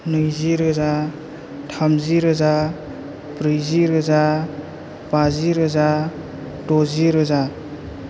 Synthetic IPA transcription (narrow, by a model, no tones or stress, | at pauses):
nɯjziɾɯza | tʰamziɾɯza | pɾɯjziɾɯza | baziɾɯza | dɔziɾɯza